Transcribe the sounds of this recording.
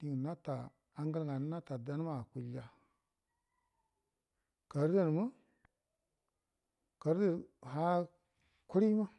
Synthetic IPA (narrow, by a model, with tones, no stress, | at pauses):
i˨ŋ˨na˦ta˨ | a˦ŋɡə˦ɾŋa˨n˦na˦ta˨da˦n˦ma˦˨ku˨la˨ | ka˨ɾdə˦˨n˨mə˦ | ka˨ɾdə˨ha˦ | ku˦ɾi˦ma˦